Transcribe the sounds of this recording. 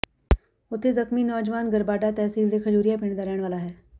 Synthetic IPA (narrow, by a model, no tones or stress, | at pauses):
ot̪ʰːed͡zəkmiːnɔːd͡ʒʋaːnɡəɾbaːɖat̪ɛːsiːld̪ekʰəd͡ʒuːɾijap̬ɪɳd̪aɾjaːɳʋaːlaɦɛː